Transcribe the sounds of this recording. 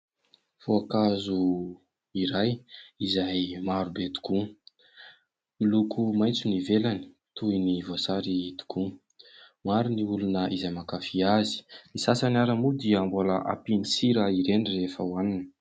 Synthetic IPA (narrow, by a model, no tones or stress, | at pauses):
foakazu | iɾajizajmaɾubet̪u̥ku | milukumajt͡sunivelani̥ | t̪uinivosaɾit̪u̥kʰu | maɾuniulunəʔizajmakafiazi̥misasanaɾəmud̪iəmboləʔa̰pinisiɾəiɾenirefəwaninə